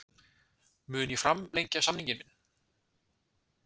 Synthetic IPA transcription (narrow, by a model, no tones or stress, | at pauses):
mʏːnifɾamlejɲcasamniɲcɪnmɪnː